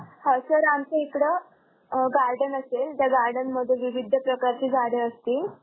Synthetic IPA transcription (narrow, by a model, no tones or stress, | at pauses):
həsəɾamt͡səekɽə | ɡaɾɖənəselt̪jaɡaɾɖənməd̪ʱːjeʋiʋid̪ʱːəpɾəkaɾt͡ɕiːd͡zʱaɽeəst̪iː